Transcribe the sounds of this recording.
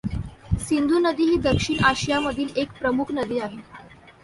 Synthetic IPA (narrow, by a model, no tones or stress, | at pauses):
sind̪ʱunəd̪iːɦiːd̪əkʂiːɳaɕijaməd̪ʱiːlekpɾəmukʰnəd̪iːaɦe